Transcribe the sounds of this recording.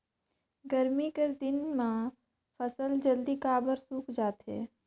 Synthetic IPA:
ɡəɾmikeɾd̪ɪnmã | pʰəsəld͡ʒəld̪ikaːbəɾsuːkʰd͡ʒaːt̪ɦḛː

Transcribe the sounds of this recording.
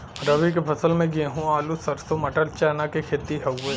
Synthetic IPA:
ɾɐʋik̬epʰɐsəlmẽɡẽːɦũaːlusɐɾsomɐʈəɾt͡ʃaːnakekʰeːt̪iɦɐwe

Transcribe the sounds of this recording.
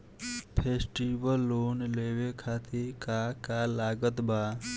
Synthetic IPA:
pʰeːsʈiʋəlːoːnleʋekʰat̪ʰikakalaːɡət̪baː

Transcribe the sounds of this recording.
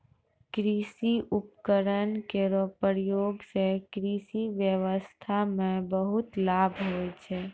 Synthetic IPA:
kɾisiʔupkəɾənkeɾɔpɾjoɡsekɾisiʋjəʋəst̪ʰamẽbəɦut̪labʱɦojt͡ʃʰɛ

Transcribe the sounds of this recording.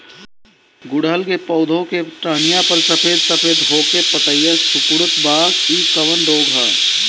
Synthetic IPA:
ɡʊɽalkepɔʊd̪ʱõkeʈɾaːnijapəlsəpʰeːd̪səpʰeːd̪ɦoːkepət̪əjəsʊpʊɽʊt̪baːɡiːkəʋənɾoːɡɦɛ̰ː

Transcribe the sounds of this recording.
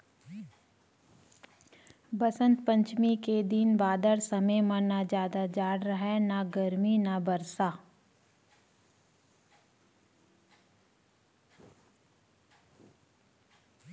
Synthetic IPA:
bɐsə̃nt̪pə̃ɲt͡ʃmiked̪inbaːd̪əɾsɐmemɐnad͡ʒjaːd̪ad͡ʒaːɽɾəɦɛnaɡəɾminabɐɾsaː

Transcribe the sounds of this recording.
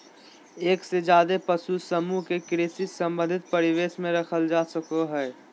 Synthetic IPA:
eːksed͡ʒjaːd̪epəsusəmuɦkekɾeːsisə̃mbə̃nd̪ʱɪt̪̚pɐɾɪʋeːsmẽɾɐkʰəld͡ʒaːsəkoɦɛː

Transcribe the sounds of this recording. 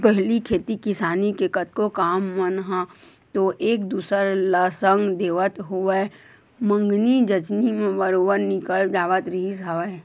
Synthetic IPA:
pɛɦlikʰeːt̪ikɪsaːnikekət̪̚kokaːmːənɦa | t̪oʔeːkd̪uːsəɾləsəŋɡd̪eːʋət̪ɦoe | mə̃ŋɡnid͡ʒət͡ʃnimẽbəɾoːbəɾnɪkəld͡ʒaːʋət̪ɾisɦaʋe

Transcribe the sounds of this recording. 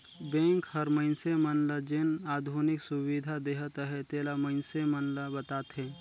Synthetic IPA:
bɛ̃ːŋkhəɾməɪnsemənləd͡ʒɪnaːd̪ʱunɪksʊwid̪ʱad̪eːɦət̪əɦɛt̪eːlaməɪnsemənləbɐt̪aːt̪ɦɛ̃ː

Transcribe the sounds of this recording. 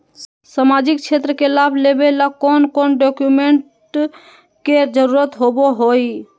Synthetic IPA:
səmad͡ʒikt͡ʃʰet̪ɾəkelabʱlebelakɔnkonɖokjumeɳʈ | ked͡ʒəɾuɾət̪ɦoboɦoj

